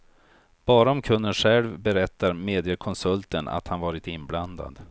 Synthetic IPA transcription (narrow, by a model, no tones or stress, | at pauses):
b̥ɑːɾaɔmkʰɵnːənɧɛlvbɛɾɛt̪ːaɾmeːd̪ɪəkʰɔnsɵlt̪əna̰t̪hanvɑːɾɪt̪ɪnbland̪a̰d̪